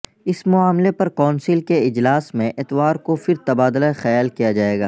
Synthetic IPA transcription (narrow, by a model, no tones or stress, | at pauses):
ɪsmʊaːmlepɐɾkɔːnsilkeɪd͡ʒlaːsmẽʔɪt̪ʋaːɾkofɪɾt̪ɐbaːd̪ʊlaxɐjaːlkijad͡ʒaːeːɡa̰ː